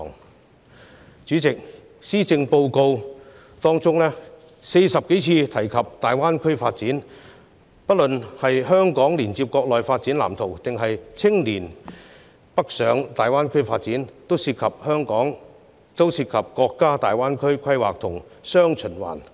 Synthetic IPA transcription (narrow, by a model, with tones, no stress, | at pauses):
ŋ | t͡ʃyː˨˥t͡sɪ˨k̚ | siː˥t͡sɪ˧ŋpo˧wko˧w | t̪ɔː˥ŋt͡sʊ˥ŋlɛː˥ | se˧jsɐ˨p̚ke˨˥jt͡sʰiː˧t̪ʰɐ˨˩jkʰɐ˨p̚t̪aː˨jwaː˥nkʰɵ˥ɥfaː˧t̚t͡siː˨˥n | pɐ˥t̚lɵ˨nhɐ˨jɦœː˥ŋkɔː˨˥ŋliː˨˩nt͡siː˧p̚kɔː˧k̚lɔː˨jfaː˧t̚t͡siː˨˥nla̰ː˨˩mt̪ʰo˨˩wt̪ɪ˨ŋɦɐ˨jt͡sʰɪ˥ŋliː˨˩n | pɐ˥k̚sœː˨˧ŋt̪aː˨jwaː˥nkʰɵ˥ɥfaː˧t̚t͡siː˨˥nt̪o˥wsiː˧t̚kʰɐ˨p̚hœː˥ŋkɔː˨˥ŋ | t͡so˥wsiː˧t̚kʰɐ˨p̚kɔː˧kːaː˥t̪aː˨jwaː˥nkʰɵ˥ɥkʰɐ˥jwaː˨k̚t̪ʰʊ˨˩ŋsœː˥ŋt͡ʃʰɵ˨˩nwa̰ː˨˩n